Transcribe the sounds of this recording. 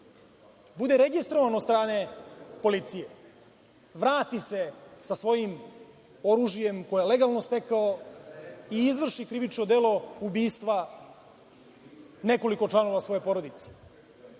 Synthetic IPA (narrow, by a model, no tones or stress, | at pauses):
bud̪e̞ɾe̞ɡist̪ɾoʋanod̪st̪ɾaːne̞po̞lit̪sije | ʋɾaːt̪ise̞sasʋo̞jim | o̞ɾuʒije̞mko̞jjele̞ɡalˠno̞st̪e̞kao | iizʋr̩ʃikɾiʋit͡ʃnod̪eːlo̞ubiːst̪ʋa | ne̞ko̞liko̞t͡ʂlano̞ʋasʋo̞je̞po̞ɾod̪it̪se̥